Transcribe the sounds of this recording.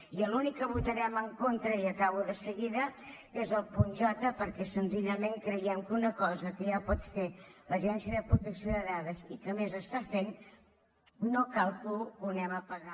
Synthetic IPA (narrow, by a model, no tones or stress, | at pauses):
iəlunikːəβut̪əɾɛməŋkont̪ɾəiəkaβuðəsəɣiðə | ezəlˠpunʲʒɔt̪əpəɾkɛsənziʎəmeŋkɾəjɛmkunəkɔzəkəjapɔt̪feləʒɛnsiəðəpɾut̪əksijoðəðaðəzikəmezəst̪afen | okalˠkukunɛməpəɣa